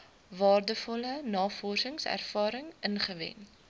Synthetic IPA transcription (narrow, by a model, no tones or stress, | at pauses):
vɑːrdəfɔlənɑːfɔrsəŋsæ̰rfɑːɾəŋənχəvɛ̰n